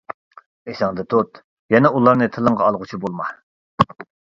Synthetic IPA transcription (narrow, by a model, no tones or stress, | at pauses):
esɑŋd̪ɨt̪ʰot̪ | jɛnɛulˠɑɾnɨt̪ʰɨlˠəŋʁɑɑlˠʁʊt͡ʃʰibolˠmɑ